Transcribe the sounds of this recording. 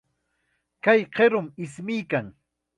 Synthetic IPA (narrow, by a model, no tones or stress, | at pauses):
kajqeɾʊmɪsmɪjkaŋ